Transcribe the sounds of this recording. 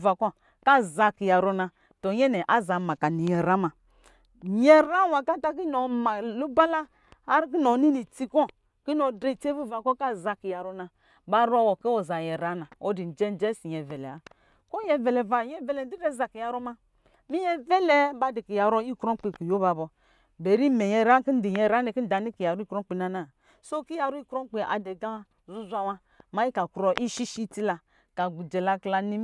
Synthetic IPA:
va˨kɔ˦ | ka˦˨za˧ki˨ja˨ɾɔ˧na˧ | tɔ˨ɲɛ˦nɛ˨ʔa˦za˨ma˨ka˨ni˨jɛ˨ɾa˨˦ma˨ | jɛ˦ɾa˦wa˨ka˦ta˦k̬i˦nɔ˨ma˨lu˦ba˦laː˦ | ɾk̬i˦nɔ˨˦ni˦ni˨ti˦kɔ˦ | ki˦nɔ˨dɾe˨te˦vu˦˨va˨kɔ˦ka˦˨za˧ki˨ja˨ɾɔ˧na˧ | ba˧ɾɔ˧˦wɔ˨kɛ˦ɔ˨za˨jɛ˨ɾa˨˦na˨ɔ˦di˨n̩˨d͡ʒɛ˦n˦d͡ʒɛ˦si˨ɲɛ˨vɛ˨lɛ˨a˨˦ | ko˦jɛ˨vɛ˨lɛ˨va˨˦jɛ˦vɛ˨lɛ˨n˦di˦dɛ˦˨za˨ki˨ja˨ɾɔ˦ma˧ | mi˦jɛ˦vɛ˦lɛ˦ba˦di˨ki˨ja˨ɾo˦i˦kɾo˦k͡pi˨ku˨jo˦ba˨bɔ˨ | be˨ɾi˦mɛ˨jɛ˨ɾa˦ki˦n̩˦di˨jɛ˨ɾa˦ni˨ki˦n̩˦da˨ni˦ki˨ja˨ɾu˦kɾɔ˦k͡pi˨na˨na˨ | so˦ki˦ja˨ɾɔ˦i˦kɾo˦k͡pe˨ʔa̰˨dɛ˨ɡa˦ | zu˦zʷa˧wa˧ | ma˦i˦ka˨ku˨ɾɔ˦ʔi˦ʃi˦ʃi˦ti˦la˨ | ka˨ɡu˨d͡ʒɛ˨la˧kla˧ni˦

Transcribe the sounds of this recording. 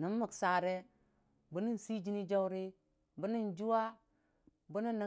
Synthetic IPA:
ni˨˦n˦ma˨ksa˨ɾe˦ | bu˨˦ni˦n˨si˦d͡ʒi˦ni˦d͡ʒa˦wɾi˦ | bu˦ni˦nd͡ʒu˦wa˦ | bu˦ni˦nːa˦˨

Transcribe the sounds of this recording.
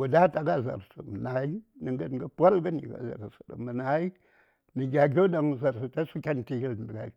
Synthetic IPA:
wu˨da˦ta˨ɡa˦˨za̰˨ɾsṵ˨mə˨na˨i˦nə˨ŋɡə˦n˨ɡə˦pʷa˦lɡə˦nḭ˨ɡa̰˨za̰˨ɾsə̥˨ɗa̰˨mə˨na˨i˦ | ni˨ɡʲa˨ɡʲo˦da˨ŋ˨za˨ɾsu˨ta˦su˦kʲa˦n˨ti˨hi˦ldɡa˨˦

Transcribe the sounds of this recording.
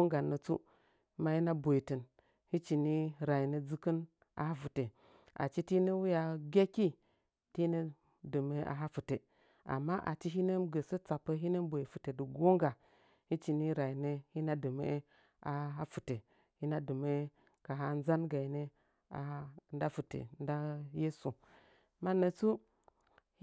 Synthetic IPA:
o˦ŋɡa˨nːə˨t͡sṵ˦ | ma˦ji˦na˦bo˨i˨tə˨n | hi˦t͡ʃi˨ni˦ɾa˨i˨ne˦d͡zɨ˦kə˦n | a̰˨ha˦fu˨te˨ | a̰˨t͡ʃi˦ti˦nə˦wu˦ja˨ɡʲe˦ki˦ | ti˦ne˦ | də˨me˦ʔa̰˨ɦa˦fu˨te˨ | a̰˨mːa˦ʔa̰˨t͡ʃi˦ɦi˦ne˦mɡə˨sə˦t͡sa˨pːə˦ɦi˦ne˦mbo˨i˨fu˨te˨də˨ɡo˦ŋɡa˨ | hi˦t͡ʃi˨ni˦ɾa˨i˨ne˦hi˦na˦dɨ˨mḛ˦ | a˨ɦa˦fu˨te˨ | hi˦na˦dɨ˨me˦ | ka˨ɦa˦n˦za˦nɡa˨i˨ne˦ | a̰˨˦nda˦fu˨tḛ˨nda˦je˦su˨ | ma˦nə˨t͡su˦

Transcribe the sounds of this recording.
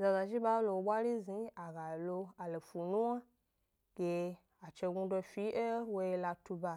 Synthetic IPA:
za˧za˨ʒi˦ɓa˦lo˧wo˨ɓʷa˦ɾi˦zi˨˦a˨ɡa˨lo˧a˨lo˨fu˨nũ˦wa˦ | ɡ̥e˧ | a˨t͡ʃe˧ɡu˧do˧fi˨˦ʔe˦wo˧je˧la˧tu˧ba˧

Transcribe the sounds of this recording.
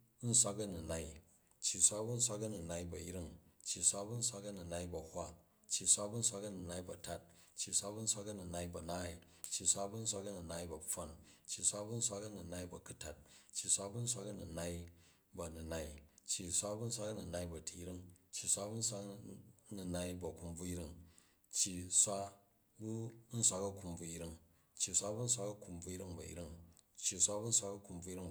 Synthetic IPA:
n̩˦sʷa˦kɐ˦nu˨na˦i˦ | t͡ʃji˨sʷa˦bu˦n̩˦sʷa˦kɐ˦nu˨na˧i˦bɐ˨ji˦ɾi˦ŋt͡ʃːi˨sʷa˦bu˦n̩˦sʷa˦kɐ˦nu˨na˧ibɐ˨hʷa˦ | t͡ʃːi˨sʷa˦bu˦n̩˦sʷa˦kɐ˦nu˨na˧i˦bɐ˨ta˦t̚ | t͡ʃːi˨sʷa˦bu˦n̩˦sʷa˦kɐ˦nu˨na˧ibɐ˨naː˦˨i˨ | t͡ʃːi˨sʷa˦bu˦n̩˦sʷa˦kɐ˦nu˨na˦i˦bɐ˨ɸo˦nt͡ʃːi˨sʷa˦bu˦n̩˦sʷa˦kɐ˦nu˨na˦i˦bɐ˨ku˦ta˨t̚t͡ʃːi˨sʷa˦bu˦n̩˦sʷa˦kɐ˦nu˨na˦i˦ | bɐ˨nu˨na˨i˦t͡ʃːji˨sʷa˦bu˦n̩˦s̬ʷa˦kɐ˦nu˨na˧i˦bɐ˨tʰi˧i˦ɾi˦ŋt͡ʃːi˨sʷa˦bu˦n̩˦sʷa˦knu˨na˧i˦bɐ˨ku˧mb͡vu˧i˦ɾi˦˧ŋ | t͡ʃːi˨sʷa˦ | bu˦n̩˦sʷa˦kɐ˦ku˧mb͡vu˧i˦ɾi˦ŋ | t͡ʃːi˨sʷa˦bu˦n̩˦s̬ʷa˧kɐ˦ku˧mb͡vu˧i˦ɾi˦ŋbɐ̰˨ḭ˦ɾi˦ŋt͡ʃːi˨sʷa˦bu˦n̩˦sʷa˧˦kɐ˦ku˧mb͡vu˧˦i˦ɾi˦ŋ

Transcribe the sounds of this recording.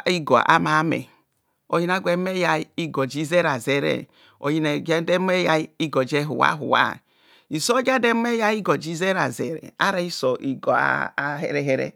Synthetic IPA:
i˦ɡo˨ʔa̰˦ma˨˦mḛ˨ | o˨ji˦na˦ɡʷe˦me˦ja˨˦i˦ɡo˨d͡ʒi˦ze˦ɾa˨ze˨ɾḛ˨ | o̰˨ji˦ne˨ɡe˦de˦m˦e˦ja˨˦i˦ɡo˨d͡ʒe˦ɦṵ˨wa̰˦ɦṵ˨wa̰˦˨ | i˨so˦ɡa˦de˦me˦ja˦i˦ɡo˨d͡ʒi˦ze˦ɾa˨zḛ˨ɾḛ˨a˦ɾa˨i˦so˨ʔi˨ɡo˨a̰˦ɦḛ˦ɾe˦ɦe˦ɾḛ˦

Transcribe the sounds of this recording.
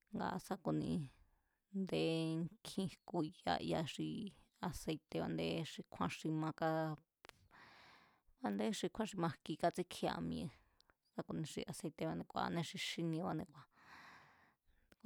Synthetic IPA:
ŋɡa̰˧sa˦ku˧nḭ̃˧ | nd̪e˧˦ŋkʰĩ˧ku˧ja̰˧ja˧ʂi˧ | a˧se˧jt̪e˧βa̰˧nd̪e˦ʂi˧kʷʰã˧ʂi˧mã˧ka˧ | βa˧nd̪e˦ʂi˧kʷʰã˦ʂi˧mã˧ki˧ka˧t͡si˦kʰi˧a̰˧mĩ˧ẽ˧ | sa˦ku˧nĩ˧ʂḭ˧ʔa˧se˧t̪e˧βa˧nẽ˧kʷa̰˧nẽ˧ʂi˧ʂi˧nĩ˧βa˧nẽ˧kʷa˧

